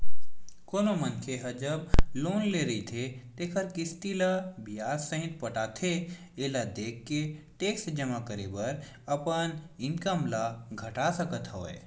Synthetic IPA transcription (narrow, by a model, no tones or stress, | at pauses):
koːnomənkʰeɦɐd͡ʒəb̚loːnleɾɐit̪ʰet̪eːkʰəɾkɪst̪ilabijaːssə̃ɦɪ̃t̪̚pəʈaːt̪ʰe | eːlad̪eːkʰːe | ʈeːksd͡ʒəmakəɾebəɾ | ɐpənɪ̃nkəmlaɡʱəʈasəkət̪ɦɔːḛ